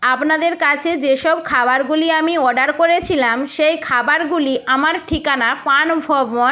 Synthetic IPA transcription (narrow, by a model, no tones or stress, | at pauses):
apnad̪eɾkat͡ɕʰed͡ʑeʃɔbkʰabaɾɡuliamiɔɖaɾkoɾet͡ɕʰilamʃejkʰabaɾɡuliʔamaɾʈʰikanapanbʱɔbmɔ